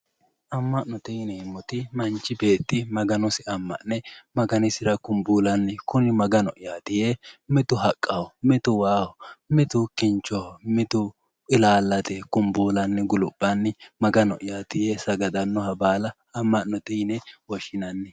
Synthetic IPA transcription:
ʔɐmːɐʔnɔt̪ɛjnɛhɪmːɔt̪ɪmɐnt͡ʃːɪbe̞ːt̪ːɪmɐɡɐnɔsɪɐmːɐ̰ʔnɛmɐɡɐnɪsɪɾɐkʊmbuːlɐnːɛkʊnɪmɐɡɐnɔ̰ʔɪjaːt̪ɪjemɛt̪ʊɦɐkʼːɐwɔmɛt̪ʊwaːwɔmɛt̪ʊkɪnt͡ʃːɔwmɛt̪ʊ | ɪlaːlːɐt̪ɛkʊmbuːlɐnːɛɡʊlʊbʼːɐnːɛmɐɡɐnɔ̰ʔɪjaːt̪ɪjesɐɡɐd̪ɐnːɔhɐbaːlɐ | ɐmːɐʔnɔt̪ɛjnɛwɔʃɪnɐnːɛ

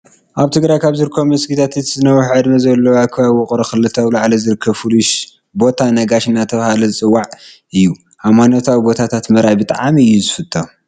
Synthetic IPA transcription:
ʔaβt̪ʰɨɡɾajkʰaβzɨɾkʰːomɐsɡit̪ʰat̪it̪zɨnɐwɐħʕɨd̪mɐzɐlːɐwakʰɨβaβwɔkʼɾɐxɨlɨt̪ʰawlaʕlɐzɨɾɨkʰːɐβfɨluʃ | bo̞t̪ʰanɐɡaʃɨnːat̪ʰɐβahalozɨt͡sʼɨwːaʕ | ʔɨjːu | ʔamanot̪ʰawibo̞t̪ʰat̪ʰat̪mɐɾajbɨt̪ʼaʕamiɨjːuzɨfɨt̪ʰʼːɐ

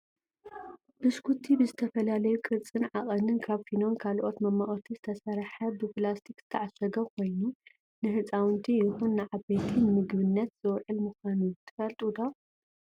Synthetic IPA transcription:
b̥ɨskut̪ʰːibɨzɨt̪ʰɐfɐlalɐjukʼɨt͡sʼːɨnʕaχʼɐnɨnkʰaβfino̞nkʰalʔo̞t̪mɐmaχʼt̪ʰizɨt̪ʰɐsɐɾħɐbɨplast̪ʰikz̥ɨt̪ʰɐʕasɐɡɐkʰo̞jnu | nɨhɨt͡sʼawɨnt̪ʰijɪxunːɨʕaβet̪ʰinɨmɨɡbɨnːɐt̪z̥ɨwʕɨlmɨxʷanut̪ʰɐ̥fɐlt̪ʼud̪a

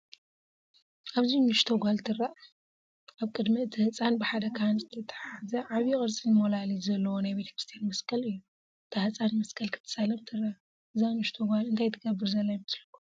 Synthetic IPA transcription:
ʔaβzinɨʃt̪ʰoɡʷalt̪ʰɨraʔ | ʔaβkʼɨd̪mit̪ʰɨhɨt͡sʼanbɨħad̪ɐkʰanzɨt̪ʰɐt̪ʰɐ̥ħazɐʕaβjikʼɨɾt͡sʼizɨmolalizɐlːɐwonajbe̞t̪ʰɐ̥kɾist̪ʰjanmɐskʰɐlɨjːu | t̪ʰaht͡sʼanmɐskʰɐlkʰɨ̥t̪ʰːɨ̥salɐmt̪ʰɨrːaʔ | ɨzawnɨʃt̪ʰoɡʷalɨnt̪ʰajt̪ʰɨɡɐbːɨɾzɐlːajmɨslɐkːu

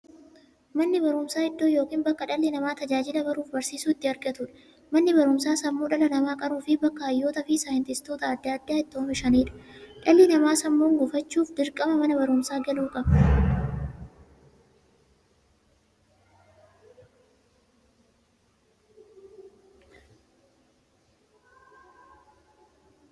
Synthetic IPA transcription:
mɐnːɪbɐɾʊmsaːɪd̪ːoːjoːkiːnbɐkːɐᶑɐlːɪnɐmaːt̪ɐd͡ʒaːd͡ʒɪlɐbɐɾuːfbɐɾsiːsuːɪt̪ːɪɐɾɡɐt̪ʊᶑɐ̥ | mɐnːɪbɐɾʊmsaːsɐmːoːᶑɐlɐlɐmaːkʼɐɾuːfɪbɐkːɐɐjːoːt̪ɐfɪsaːjɪnt̪ɪst̪oːt̪ɐːd̪ːaːd̪ːaːɪt̪ːɪoːmɪʃɐniːᶑɐ̥ᶑɐlːɪnɐmaːsɐmːoːŋɡʊfɐt͡ʃːuːfd̪ɪɾkʼɐmɐmɐnɐbɐɾʊmsaːɡɐluːkʼɐbɐ

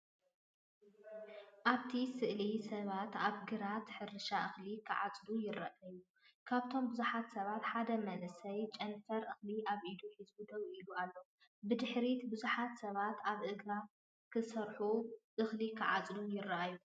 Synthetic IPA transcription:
ʔaβt̪ʰisɨʔlisɐβat̪aβɡɨɾat̪ħɨɾɨʃaʔɨxlikʰɨʕa̰t͡sʼlujɪrɐʔɐju | kʰaβt̪ʰo̞mbɨzuħat̪sɐβat̪ħad̪ɐmɐlɨsɐjt͡ʃʼɐnfɐɾʔɨxliʔaβʔid̪uħizbud̪ɐwʔilualːo̞ | bɨd̪ɨħɾit̪bɨzuħat̪sɐβat̪aβʔɨɡɾa | kʰɨsɐɾħuʔɨxlikʰɨʕat͡sʼlujɪrɐʔaju

